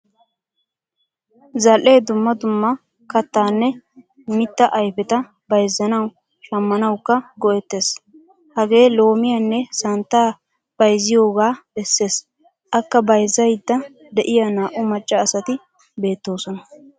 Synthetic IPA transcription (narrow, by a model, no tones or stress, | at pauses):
zɐlʔːe̞ːd̪ʊmːɐd̪ʊmːɐ | kɐt̪ːaːnːɛ | mɪt̪ːɐʔɐjfɛt̪ɐ | bɐjzːɐnɐw | ʃɐmːɐnɐwkːɐɡɔʔɛt̪ːe̞ːs | hɐɡe̞ːlo̞ːmɪjɐnːɛsɐnt̪ːaː | b̥ɐjzɪjo̞ːɡaːbɛsːe̞ːs | ʔɐkːɐbɐjzːɐjɪd̪ːɐ | d̪ɛʔɪjɐnaːʔʊmɐt͡ʃʼːɐːsɐt̪ɪ | be̞ːt̪ːo̞ːsɔnɐ